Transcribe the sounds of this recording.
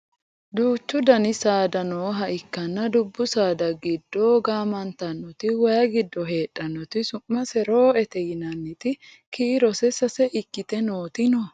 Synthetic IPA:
d̪uːt͡ʃːʊd̪ɐnɪsaːd̪ɐnoːɦɐʔɪkːɐnːɐd̪ʊbːʊsaːd̪ɐɡɪd̪ːoːɡaːmɐnt̪ɐnːɔt̪ɪwɐjɐɡɪd̪ːɔɦe̞ːᶑʼːɐnːɔt̪ɪsʊmːɐsɛɾoːɛt̪ɛjɪnɐnːɪt̪ɪ | kiːɾɔsɛsɐsɛʔɪkːɪt̪ɛnoːt̪ɪnɔ

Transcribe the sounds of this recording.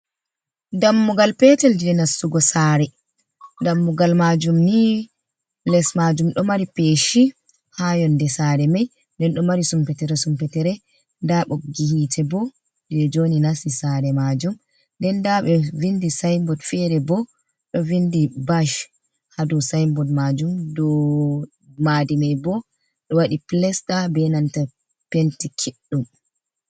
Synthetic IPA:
damːuɡalpɛtɛld͡ʒɛnasːuɡɔsaːɾɛ | damːuɡalmad͡ʒumni | lɛsmad͡ʒumɗɔmaɾipeʃi | hajɔndɛsaːɾɛmaj | ndɛnɗɔmaɾisumpɛtɛɾɛsumpɛtɛɾɛ | ndaɓoɡihitʰɛbɔ | d͡ʒɛd͡ʒoninasisaɾɛmad͡ʒum | ndɛndaɓɛvindisajmbɔdfɛɾɛbɔ | ɗɔvindibaʃ | hadusajmbɔdmad͡ʒumdɔ | madimajbɔ | ɗɔwaɗiplɛstabɛnanta | pentikʰiɗːum

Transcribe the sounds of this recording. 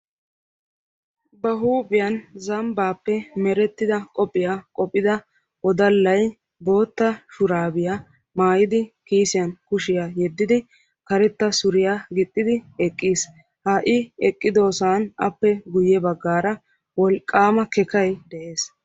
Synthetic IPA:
bɐɦuːpʼɪjɐnzɐmbaːpːɛmɛɾɛt̪ːɪd̪ɐkʼɔpʼːɪjaːkʼɔpʼːɪd̪ɐ | ʔɔd̪ɐlːɐj | bo̞ːt̪ːɐʃʊɾaːbɪja | maːjɪd̪ɪkiːsɪjɐnkʊʃɪjaːjɛd̪ːɪd̪ɪ | kɐɾɛt̪ːɐsʊɾɪjaːɡɪt̪ʼːɪd̪ɪɛkʼːiːs | haʔɪɛkʼːɪd̪oːsaːnɐ̰pːɛɡʊjːɛbɐɡːaːɾɐ | wɔlkʼːaːmɐkɛkɐjd̪ɛʔe̞ːs

